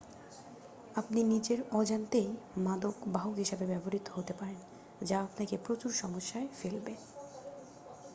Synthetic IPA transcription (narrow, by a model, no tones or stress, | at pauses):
apninid͡ʑeɾɔd͡ʑant̪ejmad̪okbaokɦiʃabebɛboɾit̪ːoɦot̪epaɾen | d͡ʑaapnakepɾot͡ɕuɾʃɔmoʃːaefelbe